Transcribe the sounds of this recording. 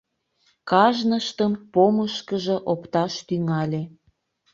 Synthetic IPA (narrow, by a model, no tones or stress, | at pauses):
kɑʒnəʃt̪əmpoməʃkəʒə̆ʔopt̪ɑʃt̪yŋɑlʲe